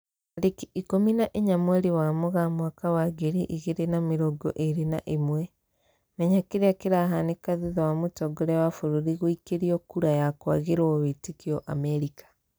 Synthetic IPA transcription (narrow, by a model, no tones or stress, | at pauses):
aɾikiikominaʔiɲamweɾiwamuɣamwakawaɡeɾiʔiɣeɾenamiɾoɡo̰ʔeɾina̰ʔimwe | meɲakiɾeakiɾaɦanikaðuðɔwamutoɡoɾewafuɾuɾiɣuikeɾiokuɾajakwaɣeɾwoβetikioʔameɾikḁ